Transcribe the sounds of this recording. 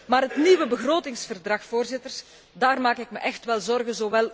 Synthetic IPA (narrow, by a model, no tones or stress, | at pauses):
maːɾɦətniʋəbəɣroːtɪŋsfərdrɑxfoːrzɪtərs | daːrmaːkɪkməʔɛxtʋɛlˠzɔrɣənzoːʋɛlˠ